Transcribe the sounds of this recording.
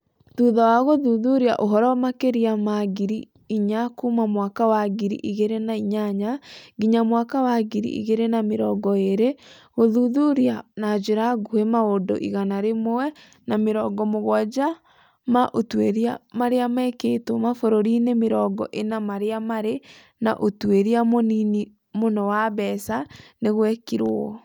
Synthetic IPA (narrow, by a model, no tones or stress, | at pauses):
ðuðawaɣoðuðuɾiaʔoɦɔɾɔmakeɾiamaɡiɾi | iɲakumamwakawaɡiɾḭʔiɣeɾenaiɲaɲaɡiɲamwakawaɣiɾḭʔḭɣeɾenameɾɔɡɔeɾe | ɣoðuðuɾianad͡ʒeɾaɡuemaodo̰ʔḭɣanaɾemoɛ | nameɾɔɡɔmoɣwɔd͡ʒa | maʔotweɾiamaɾeamɛkeːtomafoɾoɾinemeɾɔɡɔ̰ʔenamaɾeamaɾe | na̰ʔotweɾiamonini | monɔwaβɛsaneɣwɛkiɾwɔ